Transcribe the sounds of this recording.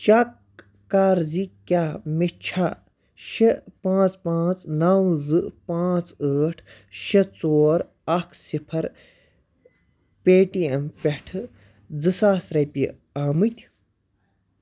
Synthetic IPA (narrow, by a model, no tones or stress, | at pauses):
t͡ʃɐkː | aːɾzikʲjaːmit͡ʃʰa | ʃepãːt͡spãːt͡snɐwzɨpãːt͡səːʈʰ | ʃɐt͡soːɾ | ɐkʰsipʰɐɾ | peːʈiempʲeʈʰɨ | d͡zɨsaːsɾɐpʲi | aːmɨt̪ʲʰ